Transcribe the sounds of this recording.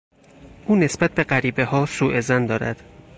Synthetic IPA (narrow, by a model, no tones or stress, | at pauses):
ʔuːne̞sb̥æt̪̚ʰbe̞ɢæɾiːbe̞hɒːsuːʔe̞zænd̪ɒːɾæ̰d̪̥